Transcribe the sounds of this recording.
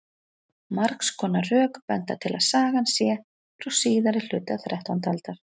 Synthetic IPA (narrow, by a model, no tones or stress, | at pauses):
maɾkskʰɔːnarœːkpɛnt̪a̰t̪ʰɪla̰ðsaːɣansjɛ | fɾɔwsiːðaɾɪl̥ʏːt̪aθɾɛht̪ant̪alt̪aɾ̥